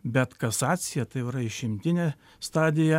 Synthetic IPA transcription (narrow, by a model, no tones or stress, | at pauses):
bʲɛt̪kɐsɑːt̪sʲɪjɛt̪ɐɪɪɾɐɪʃʲɪmʲt̪ʲɪnʲeː | st̪ɑːd̪ʲɪjɛ